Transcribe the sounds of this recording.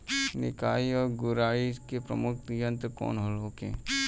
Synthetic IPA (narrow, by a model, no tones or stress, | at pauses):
nɪ̰kaːiɔːɾɡʊɾaːikepɾə̰mʊk̚t̪jə̃nt̪ɾkɔ̰ːnɦolɦoːkḛ̃